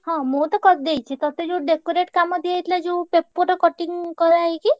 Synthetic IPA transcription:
hɔ̃mot̪ɔkɔt̪̚d̪ejt͡ʃʰit̪ɔt̪ed͡ʒeuɖekoɾeʈkamɔd̪iajt̪ʰlad͡ʒeupepːuɾɔkɔʈiŋkɔɾaɦeki

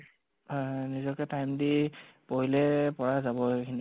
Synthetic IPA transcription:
nizɔkɛtajmdipoɦilɛpɔɹazabɔekʰini

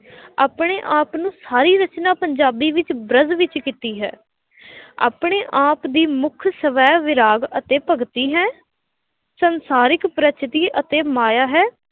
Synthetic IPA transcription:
a̰ːpɳeːʔaːpnũːsaːɾiːɾət͡ʃnaːpəɲd͡ʒaːbiːʋɪt͡ʃbɾəzʋɪt͡ʃkiːt̪iːɦɛ̰ː | a̰ːpɳeːʔaːpd̪iːmʊkʰsəʋɛːʋɪɾaːɡət̪eːpəɡt̪iːɦɛː | sənsaːɾɪkpɾət͡ʃt̪iːʔət̪eːmaːjaːɦɛː

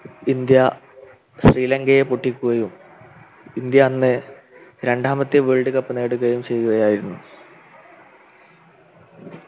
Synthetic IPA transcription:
ind̪jɐ | ɕriːlɐŋɡɐjepoʈːikʲːuɣɐjum | ind̪jɐːnːɨ | ɾe̞ɳɖaːmɐt̪ːjɨʋeːɭɖɨkɐpːɨne̞ːɽuɣɐjumt͡ɕe̞jːuɣɐjaːjiɾunːu

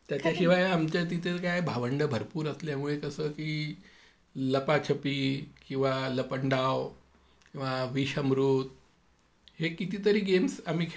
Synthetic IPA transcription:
t̪jat͡ɕaɕiʋajamt͡ɕat̪it̪ʰelkajbʱaʋəɳɖəbʱəɾpuːɾəsljamuɭekəsəːkiː | ləpat͡ɕʰəpiːkĩw̃ʋaləpəɳɖaw | kĩw̃ʋaʋiɕəmɾut̪ | hekit̪iːt̪əɾiːɡemsam̤iːkʰ

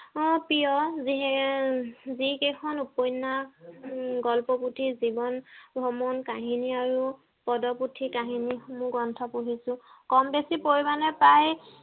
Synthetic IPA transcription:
ɔpijɔziɦɛ | zikejkʰɔnupɔjna | ɡɔlpɔputʰizibɔnbʱɔmɔnkaɦiniaɹu | pɔdɔputʰikaɦinimʊ̃ɡɔntʰɔpuɦisʊ̃kɔmbesipoɹibanɛpaj

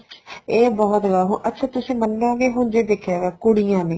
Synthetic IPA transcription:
eːbɔːt̪ɡaːɦʊʔətːʃʰaːt̪ʊsĩːmənːõːɡeːɦʊnd͡ʒeːd̪eːkʰjaːɡaːkʊɽijãːnẽː

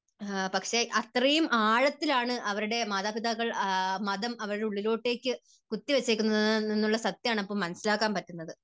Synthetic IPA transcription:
pɐkʂeʔɐt̪rɐjumʔaːɻɐt̪ːilaːɳɨʔɐʋɐɾuɽe̞maːðaːbid̪aɣɐɭmɐðɐmɐʋɐɾuɽe̞uɭːilo̞ːʈːe̞ːkʲːɨ | kut̪ːiʋet͡ɕːeːkʲːunːɐninːuɭːɐsɐt̪ːjaːɳɐpːoːmɐnɐsilaːkːaːnpɐtːunːɐðɨ

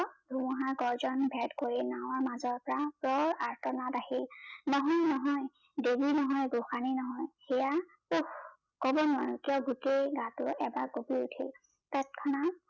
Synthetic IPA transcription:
dʱumɔɦaɡɔɹzɔnbʱɛtkoɹinaw̃aɹmazɔɹpɔɹapɹɔɹaɹtɔnatahilnɔɦɔjnɔɦɔj | debinɔɦɔjɡuxaninɔɦɔjxɛja | ux | kɔbɔnʊwa̰jkijɔɡuteɡãtʊɛbakobiutʰil | tatkʰɔna

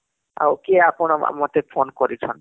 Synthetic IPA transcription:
a̰wkeapɔnaa̰mat̪epʰonkɔɾit͡ʃʰɔn

